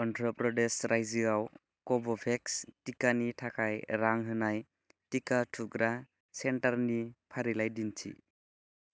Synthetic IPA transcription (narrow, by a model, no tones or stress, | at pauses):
ɔntʰɾɔpɾɔdesɾajzɯɡaw | kɔbɔpʰekstikanitʰakʰajɾaŋɦɯnaj | tikatʰuɡɾa | sentaɾnipʰaɾilajdintʰḭ